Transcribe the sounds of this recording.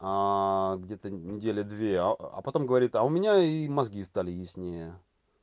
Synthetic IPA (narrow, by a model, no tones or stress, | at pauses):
aɡdʲet̪ənʲɪdʲelʲəd̪vʲeaɐ̰pɐt̪o̞mɡəvɐɾʲit̪ɐʊmʲɪnʲaimɐzɡʲist̪alʲɪjɪsʲnʲejə